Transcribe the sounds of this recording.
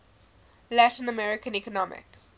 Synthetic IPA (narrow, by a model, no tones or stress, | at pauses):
lætĩnəmɛɹɪkə̃nikɔnɔmɪ̰k